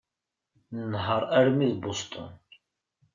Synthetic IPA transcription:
nənɦəɾˤæɾmiðbost̪ʰˤə̰n

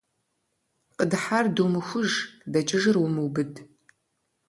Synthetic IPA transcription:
qədħardumɨxʷʊʒdɐt͡ʃʼɪʒɨrwʊmɨwbɨd

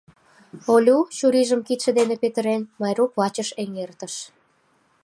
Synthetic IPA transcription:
olʲut͡ɕuɾiʒəmkit̪ʃĕd̪enepet̪ə̆ɾenmɑjɾuklɑt͡ɕəʃeŋert̪əʃ

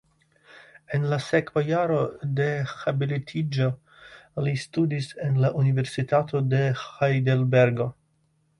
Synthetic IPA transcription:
enlasekvajaɾo̞de̞xabilitʰid͡ʒo | listudisenlaʔunive̞ɾsitatʰo̞de̞xajdelbe̞ɾɡo̞

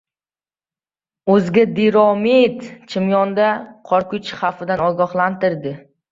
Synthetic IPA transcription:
ɵzɡʲad̪iɾɒmit̪t͡ʃʰɪmjɒnd̪aqʰɒɾkʊt͡ʃχafɪd̪anɒɡʲɒχlˠant̪ɪɾd̪ɪ

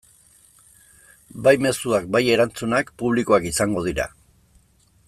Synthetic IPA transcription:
bajme̞suak̚baje̞ɾant͡sunakpuβ̞likoakisaŋɡo̞ð̞iɾa̰

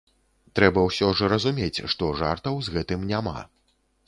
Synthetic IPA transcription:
t̪ɾɛbɐwsʲɔʐɨɾɐzumʲet͡sʲʂt̪ɔʐart̪ɐwzɣɛt̪ɨmnʲama̰

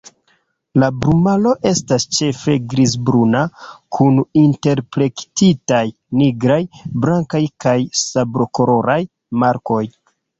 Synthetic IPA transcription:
labɾumalo̞ʔe̞stast͡ʃe̞fe̞ɡɾizbɾunakʰuninte̞ɾpɾe̞ktitaj | niɡɾajbɾaŋkajkajsabɾo̞ko̞ɾo̞ɾaj | maɾko̞j

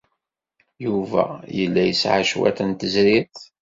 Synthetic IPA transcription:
juvæ̰jəlːæjəsʕaʃwæ̰θənt̪əzɾiθ

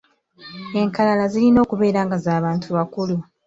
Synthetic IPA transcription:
e̞ŋkalalazilino̞ːkuβe̞ːɾaːŋɡazaːβaːntʰuβakulu

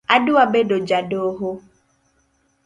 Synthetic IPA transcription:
aɖuabeɖod͡ʒaɖoɦo

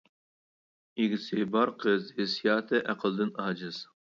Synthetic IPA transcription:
iɡʲɪsɪbɑɾqʰəzhɪsijɑːt̪ʰɨʔæqʰəlˠd̪ɨnɑːd͡ʒɨz̥

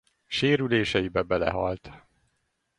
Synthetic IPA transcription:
ʃeːɾyleːʃɛjibɛbɛlɛ̰ɦɒlt̪

